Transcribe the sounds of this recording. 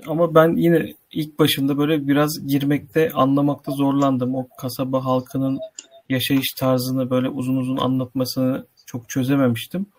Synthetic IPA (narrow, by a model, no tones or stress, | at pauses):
amabænjinɛilʲc̚baʃɯmd̪abø̞jlʲɛbiɾazɟiɾmɛc̚t̪ʰɛanlˠamak̚t̪ʰazo̞ɾlˠand̪ɯmo̞kʰasabaɦalˠkʰɯnɯnjaʃajɯʃt̪ʰaɾzɯnɯbø̞jlʲɛʔuzunuzuna̰nlˠat̪masɯnɯ | t͡ʃʰo̞kt͡ʃʰø̞ze̞me̞miʃt̪ʰim